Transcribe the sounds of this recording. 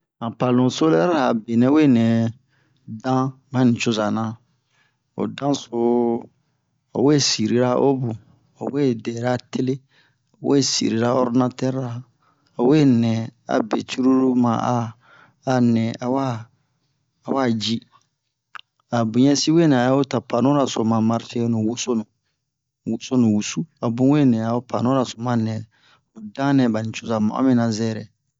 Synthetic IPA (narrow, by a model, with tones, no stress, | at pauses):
ã˨pa˨lũ˨so˦lɛ˦ɾa˨be˨nɛ̃˨˦we˦˨nɛ̃˨ | dã˦mã˦nĩ˨t͡ʃo˦za˨nã˨˦ | o̰˨dã˦so˦ | ɔ̰˨we˦si˨ɾi˨ɾa˦ʔo˦bu˨ | ɔ̰˨we˦˨dɛ˨ɾa˦tʰe˦le˦ | o˨we˦sḭ˨ɾi˨ɾa˦ɔ˦ɾnã˦tɛ˦ɾa˨ | ɔ˨we˦nɛ̃˨a̰˨be˨t͡ʃu˦ɾu˦ɾu˦mã̰˨aː˦ | nɛ̃˨a˨wa˦˨ | wa˦˨d͡ʒi˦ | a˨bu˨ɲɛ˦si˦we˦nɛ̃˨a˨˦o˦ta˨pʰa˨nũ˦ɾa˨so˨mã˨ma˦ɾtɛ˦nʊ̃˨wu˦so˦nʊ̃˨ | wu˨so˦nũ˨wu˨su˦a˨bũ˦we˦˨nɛ̃˨a˨o˦pʰa˨nɔ̃˦ɾa˨so˨mã˦nɛ̃˨ | ɔ˨dã˦nɛ̃˨ba˨nĩ˨t͡ʃʊ˦za˨mã̰˨ɔ̰˦mĩ˦na˨zɛː˦˨ɾɛ˨